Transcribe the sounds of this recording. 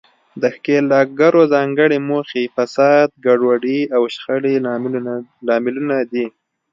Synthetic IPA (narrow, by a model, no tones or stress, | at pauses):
d̪əxkelɑk̚ɡaɾozɑŋɡəɽemoxefasɑd̪̚ɡaɖwaɖiawʃxəɽe | lɑmɪlunad̪i